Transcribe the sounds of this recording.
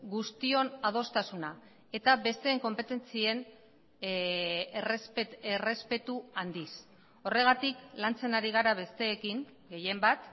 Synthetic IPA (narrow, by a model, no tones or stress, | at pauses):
ɡust̪io̞nað̞o̞st̪asuna | e̞t̪abe̞st̪e̞ːŋko̞mpe̞t̪e̞nt͡sie̞n | rsere̞spe̞t̪uand̪is | o̞re̞ɣ̞at̪iklant͡se̞naɾiɣ̞aɾaβe̞st̪e̞ːkiŋ | ɡe̞je̞mbat̪